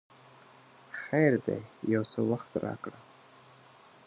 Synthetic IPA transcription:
xajɾd̪ḛjawsəwaxt̪ɾɑ̰kɽa

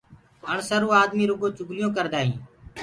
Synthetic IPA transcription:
əɳsəɾũːaːd̪miːɾʊɡõːt͡ʃʊɡlɪjõːk̬əɾd̪aːɦḭ̃ː

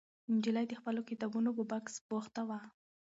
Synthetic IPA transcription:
ɪnd͡ʒɪlajd̪əxpəlokɪt̪ɑbunobobaksboxt̪awa

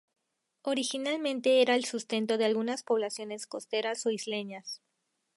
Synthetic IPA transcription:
o̞ɾixinalmẽnt̪e̞eɾaelsust̪e̞nt̪o̞ðealɣunaspo̞β̞lasjo̞ne̞sko̞st̪e̞ɾaso̞izle̞ɲas

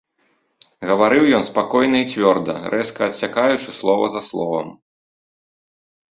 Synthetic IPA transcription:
ɣɐvaɾɨwjɔnspakɔjn̪ɐit͡sʲvʲɔrd̪ɐ̰ɾʔɛskɐːt̪sʲakajut͡ʂɨslˠɔvɐ̰zɐslˠɔvɐ̰m

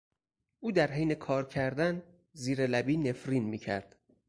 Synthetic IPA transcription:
ʔuːd̪æɾɦejne̞kʰɒːɾcʰæɾd̪æn | ziːɾelæbiːne̞fɾiːnmiːcʰæ̰ɾd̪̥

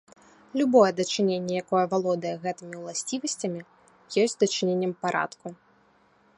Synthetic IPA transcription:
lʲubɔjɛd̪ɐt͡ʂɨnʲenʲːɛjakɔjɛvalˠɔd̪ɐjɛɣɛt̪ɨmʲiwlˠasʲt͡sʲivɐsʲt͡sʲɐmʲi | jɔsʲtʲd̪ɐt͡ʂɨnʲenʲːɛmpaɾʔa̰t̪ku

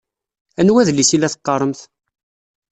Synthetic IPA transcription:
ænwæðlisilæθə̥qːɑɾˤəmθ

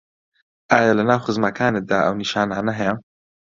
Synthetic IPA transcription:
ʔaːjaːlɨnaːwxɨzmɐkʰaːnɪd̪aːʔɐ̰wniʃaːnaːnɐɦɛjɛ

